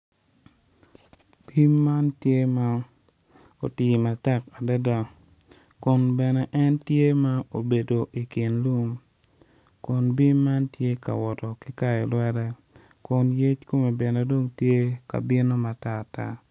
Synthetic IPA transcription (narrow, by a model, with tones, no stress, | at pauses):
b̥i˦mːa˦ntje˦ma˦ | o̰˨ti˨ma˨tɛ˦ka˨da˦da˨ | kʊ˨nbɛ˨nɛ˨ʔɛ˦ntje˦ma˦o˨be˨do˨ʔi˨kɪ˨nlu˦m | kʊ˨nbi˦mːa˦ntje˦ka̰˨wɔ˨tɔ˨ki˦ka˦jɛ˨lwɛ˦ɾɛ˦ | kʊ˨nje˦t͡ʃko˦me˨bɪ˨no˨do˦ŋtje˦ka̰˨bɪ˦no˦ma˨ta˦˨ta̰˦